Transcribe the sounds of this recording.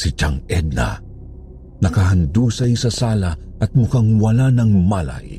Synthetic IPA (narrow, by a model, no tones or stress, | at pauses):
sɪt͡ʃaŋɛd̪̚na̰ | nɐkaɦɐnd̪uːsɐjsɐsaːlɐʔɐt̪̚mʊkaŋwɐlanɐŋmala̰j